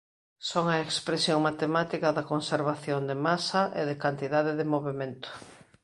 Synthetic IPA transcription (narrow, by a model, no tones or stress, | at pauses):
soŋɐekspɾesjoŋmat̪emat̪ikɐðɐkonseɾβ̞aθjond̪emasɐʔḛðɪkant̪iðaðeðɪmoβemẽnt̪ʊ̥